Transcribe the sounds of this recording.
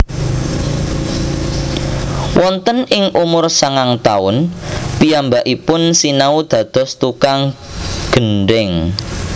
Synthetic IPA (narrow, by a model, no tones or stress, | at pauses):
wʔɔnt̪ənʔɪŋʔumʊrsaŋaŋt̪aʊnpiambaʔipʊnsinaud̪̥ä̤d̪̥ɔ̤st̪ukaŋɡ̥ənɖɪŋ